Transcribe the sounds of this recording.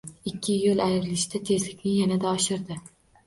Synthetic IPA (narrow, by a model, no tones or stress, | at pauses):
ɪkʲʰːɪjolˠajɪɾɪlɪʃd̪at̪ʰe̞zlɪkʲnɪjanad̪aɒʃɪɾd̪ɪ